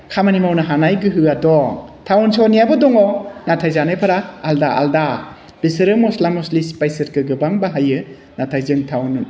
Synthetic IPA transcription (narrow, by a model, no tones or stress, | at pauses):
kʰamanimawnaɦanajɡɯɦɯadɔŋtʰawnsɔnijabɯdɔŋɔnatʰajzanɯjpʰaɾaːldaa̰lda | b̥isɯɾɯmɔslamɔslispajsɐɾkʰɯɡɯbaŋbaɦajɯ | natʰajzɯŋtʰawnun